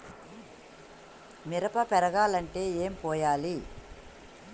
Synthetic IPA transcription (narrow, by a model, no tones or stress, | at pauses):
miɾɐpɐpɛɾɐɡaːlɐɳʈe̞ːeːmpɔːjaːli